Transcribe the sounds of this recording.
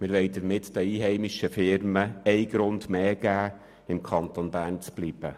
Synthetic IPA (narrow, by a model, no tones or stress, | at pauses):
mɪɾʋɛɪd̥əɾmɪtd̥əiːɦɛɪmɪʃəfɪɾməɛɪɡɾʊndmeːɡ̥æː | ɪmkʰɑntonbæːrnt͡sb̥liːb̥ə